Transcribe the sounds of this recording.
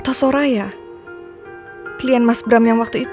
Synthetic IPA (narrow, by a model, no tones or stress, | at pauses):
t̪asoɾaja | kəlianmasbɾamjaŋwak̚t̪uit̪